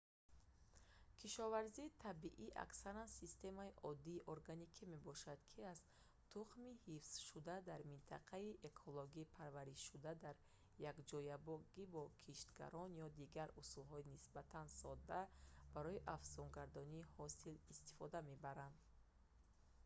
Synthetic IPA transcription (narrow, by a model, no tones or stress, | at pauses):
kʰiʃɔvaɾziːt̪ʰabiʔiʔa̰ksaɾansist̪e̞maiʔɔd̪ːiːʔoɾɡanikʰime̞bɔʃad̪kʰiaz̥ | t̪ʰuχmihifsʃud̪ad̪aɾmint̪ʰaqʰaiʔe̞kʰoloɡiːpʰaɾvaɾiʃud̪ad̪aɾ | jakd͡ʒɔjabɔɡibɔkʰiʃt̪ɡa̰ɾʔɔnjɔd̪iɡaɾusulɦɔinisbat̪ʰansɔd̪ːab̥aɾɔiʔafzɔŋɡaɾd̪ɔniːhɔsilist̪i̥fɔd̪ame̞baɾand̪